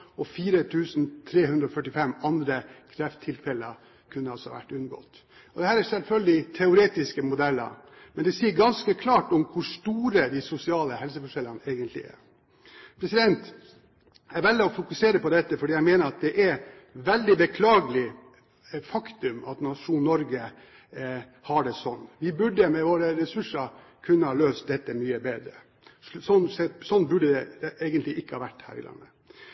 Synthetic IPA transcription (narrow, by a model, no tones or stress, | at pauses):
ɔfiːɾət̪ʰʉːsnt̪ʰɾeːhʉnd̪ɾɔfœʈːɪfɛmːɑnd̪ɾəkʰɾɛft̪ʰːɪlfɛləə̰ | kʰʉnːəɑlsɔhɑ̰ʋæ̰ʈːʉnɡɔ̰t̪ː | ɔd̪ɛhæːɾæɾsɛlfœld̪ɪt̪ʰɛʊɾeːt̪ɪskəmʊd̪ɛlːə̰ɾ | mɛnd̪ɛsiːəɾɡɑnskəkʰlɑːʈɔmkʰʊʂt̪uːɾəd̪ɪsʊsɪɑːləhɛlsəfɔʂɛlːənəeːɡənt̪lɪ̰æ̰ɾ | pʰɾɛsɪd̪ɛnt̪ | æɾʋɛlːəɔfʊkʉseːɾəpɔd̪ɛt̪ːəfɔɖiːjæɪmeːnəɾɑt̪̚d̪ɛʔæɾ | ʋɛld̪ɪbəkʰlɑːɡəlɪ | fɑkt̪ʉmɑ̰t̪nɑʂuːnnɔɾɡə | hɑɖɛsɔnːʋɪbʉɖːəmɛʋoːɾəɾɛsʉʂə | kʰʉnːəhɑːløːst̪̚d̪ɛt̪ːəmyːəbeːd̪ɾə | sɔnːsɛsɔnːbʉɖəd̪ɛʔeːɡənt̪lɪʔɪkːəhɑːʋæʈːhæ̰ːɾɪ̰lɑ̰nːə